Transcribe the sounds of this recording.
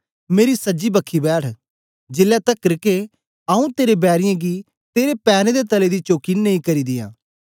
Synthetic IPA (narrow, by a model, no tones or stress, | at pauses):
meːɾisəd͡ʒiːbəkʰːiːbɛːʈʰ | d͡ʒɪlːaːt̪əkːɾɪke | aːũt̪eːɾeːbɛːɾɪjãːɡiː | t̪eːɾepɛːɾẽd̪eːt̪əleːd̪iːt͡ʃoːkinəĩːkəɾiːd̪ɪjã̰ː